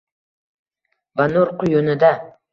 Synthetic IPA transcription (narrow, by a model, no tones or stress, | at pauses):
vanoɾqʰʊjonɪd̪a